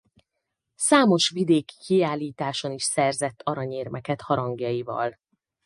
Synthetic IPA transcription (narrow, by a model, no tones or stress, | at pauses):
saːmo̞ʃʋid̪eːki̥kiaːlːiːt̪aːʃo̞niʃsɛrzɛt̪ːɒɾɒɲeːrmɛkɛt̪hɒɾɒŋɡjɒjivɒ̰l